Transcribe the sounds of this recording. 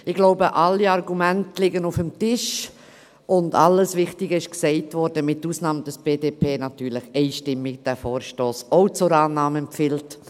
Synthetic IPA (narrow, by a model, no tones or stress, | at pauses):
ɪɡloʊbəʔalːiɑɾɡumɛntlɪɡənʊfəmtɪʃ | ʊnda̰lːəsvɪχtɪɡəɪʃksɛɪtvɔɾdəmɪt̚ːuːsnɑːmd̥əsb̥eːdeːpʰeːnɑtyːɾlɪxɛɪʃtɪmːɪk̚d̥æfɔːɾʃtoːsoʊt͡sʊɾaːnɑːmɛmpfɪlt